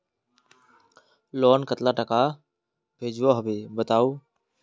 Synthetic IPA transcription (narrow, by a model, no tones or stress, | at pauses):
lɔːnkət̪laːʈəkaː | bʱeːd͡ʒʋoːɦəbeːbət̪aːoː